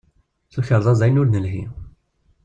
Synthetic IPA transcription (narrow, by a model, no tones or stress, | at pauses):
θuçəɾˤðˤɑzæjnʊɾnəlɦḭ